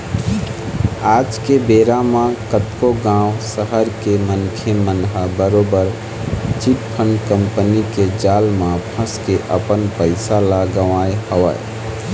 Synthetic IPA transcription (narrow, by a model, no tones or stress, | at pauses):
ad͡ʒkebeɾamãkət̪koɡãʊsəɦəɾkemənkʰemənɦabəɾobəɾ | t͡ʃiʈpʰənkəmpəniked͡ʒalmãpʰə̃skeʔəpənpəɪsalaɡəʋajhəʋə̰j